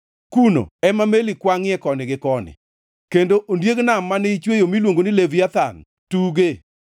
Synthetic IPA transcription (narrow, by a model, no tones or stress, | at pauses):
kuno̰ɛmamelikwaŋɪɛkɔnɪɡɪkɔnɪ̰ | kendoʔondjeɡnamːanɪit͡ʃwejomilwoŋɡonɪleviat̪an | tuɡe